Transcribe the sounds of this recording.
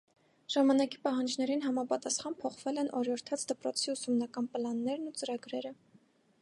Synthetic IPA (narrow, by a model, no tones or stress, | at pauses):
ʒ̥ɑmɑnɑkipɑɦɑnd͡ʒnɛɾinɦɑmɑpɑt̪ɑsχɑnpʰɔχv̥ɛlɛnʔɔɾjɔɾt̪ʰɑt͡sʰd̪əpɾɔt͡sʰiusumnɑkɑnpəlɑnːɛɾnut͡səɾɑɡɾɛɾə